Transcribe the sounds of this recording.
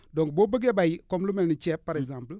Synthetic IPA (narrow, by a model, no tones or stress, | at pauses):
dɔ̃ŋkbobəɡebajkɔmlumɛlnit͡ʃɛppːaɾɛɡzãmpl